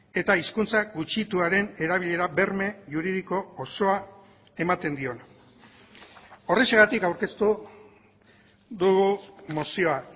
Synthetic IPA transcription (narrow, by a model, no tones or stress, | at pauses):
e̞t̪aiskunt͡saɡut͡ʃit̪uaɾe̞ne̞ɾaβiʎe̞ɾabe̞ɾme̞ʝuɾið̞iko̞ːso̞a | e̞mat̪e̞nd̪io̞n | o̞re̞seɣat̪ikawɾke̞st̪u | ðuɣumo̞sio̞a